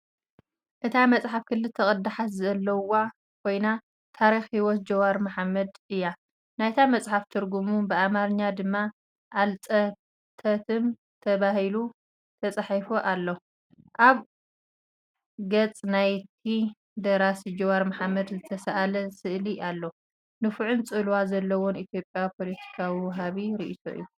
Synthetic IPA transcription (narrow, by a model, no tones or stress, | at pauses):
ʔɨt̪ʰamɐt͡sʼħafkʰɨlːɨlt̪ʰɐkʼɐd̪aħat̪zɐlːɐwa | kʰo̞jna | t̪ʰaɾixhiwɔt̪̚d͡ʒɐwaɾmaħmːɐd̪ɨjːa | najt̪ʰamɐt͡sʼħaft̪ʰɨɾɡumubɨamaɾɨɲːad̪ɨmːa | ʔːlt͡sʼɐ | t̪ʰɐt̪ʰɨm | t̪ʰɐβahilu | t̪ʰɐt͡sʼaħajfoʔalːo | ʔaβ | ɡɐt͡sʼnajt̪ʰi | d̪ɐɾasid͡ʒɐwaɾmaħamːɐd̪zɨt̪ʰɐsɐʔalɐsɨʔliʔalːo | nɨfuʕunt͡sʼɨlwazɐlːɐwonit̪ʰjo̞pʼjawpʰo̞lɐt̪ʰi̥kʰawiwɐɦaβiɾiʔit̪ʰo̞̰ʔɨ̰jːu